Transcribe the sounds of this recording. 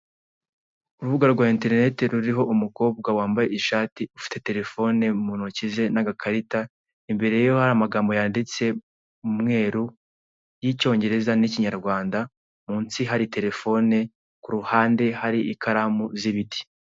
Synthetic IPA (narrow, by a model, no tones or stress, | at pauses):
uɾuβuɡaɾɾɡwaːinte̞ɾne̞te̞ɾuɾiɦo̞ʔumuko̞ːb̚ɡawaːmbaje̞iʃaːtiufi̥te̞te̞ɾe̞fo̞ne̞munocize̞naɡakʰaɾita | imbe̞ɾe̞jjo̞haɾamaɡaːmbo̞jaːndit͡se̞ | umŋe̞ːɾu | jico̞ːɲɟe̞ɾe̞zaniciɲaɾɡwaːnda | muːnsiɦaɾite̞ɾe̞fo̞ne̞ | kuɾuhaːnde̞haɾiʔikʰaɾamuziβiti̥